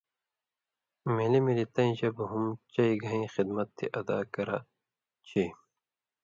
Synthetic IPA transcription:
melimilit̪ɐĩd͡ʑɐbɦumt͡ɕɐiɡɐĩːxid̪mɐt̪ʰːḭʔɐd̪a̰ːkɐɾa̰ | t͡ɕʰiː

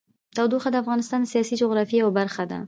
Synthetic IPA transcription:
t̪awd̪uxad̪əafɣɑnɪst̪ɑnd̪əsijɑsid͡ʒʊɣɾɑfiawbaɾxad̪a̰

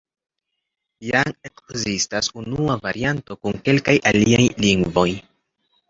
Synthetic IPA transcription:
jaŋekzistasunuuavaɾianto̞kuŋke̞lkajʔaliajliŋɡvo̞j

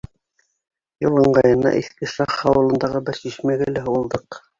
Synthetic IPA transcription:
jŏlˠɤ̆ɴɢɑjɤ̆nɑ̰ʔiθkɘʃɑχɑwɤ̆lˠɤ̆nd̪ɑʁɤbɘɾsiʃmæɡælæɦulˠd̪ɤq

